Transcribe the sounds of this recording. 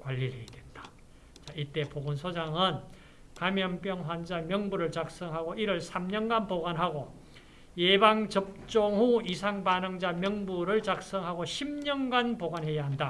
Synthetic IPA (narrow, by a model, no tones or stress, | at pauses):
kwaʎːiɾedwend̥ḁ | t͡ɕait͈e̞poɡunsʰod͡ʑaŋɯn | kamjʌnp͈jʌŋɦwand͡ʑamjʌŋbuɾɯɭt͡ɕak̚s͈ʌŋɦaɡoiɾʌɭsʰamɲʌnɡanpoɡanɦaɡo | jebaŋt͡ɕʌp̚t͡ɕ͈oŋɦuisʰaŋpanɯŋd͡ʑamjʌŋbuɾɯɭt͡ɕak̚s͈ʌŋɦaɡoɕʰimɲʌnɡanpoɡanɦe̞jaɦanda